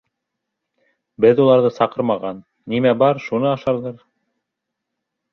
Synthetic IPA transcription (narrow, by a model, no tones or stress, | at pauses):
bɘðulˠɑɾðɤsɑqɤɾmɑʁɑnːimæbɑɾʃunɤɑʃɑɾðɤɾ